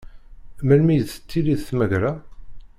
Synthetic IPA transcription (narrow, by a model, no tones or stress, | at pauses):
mælmijθə̥t͡sːiliðθməʝɾa